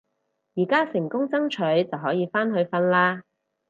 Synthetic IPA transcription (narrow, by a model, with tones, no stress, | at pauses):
jiː˨˩kaː˥sɪ˨˩ŋkʊ˥ŋt͡sɐ˥ŋt͡ʃʰɵ˨˥ɥt͡sɐ˨wɦɔː˨˥jiː˨˧faː˥nɦɵ˧ɥfɐ˧nlaː˥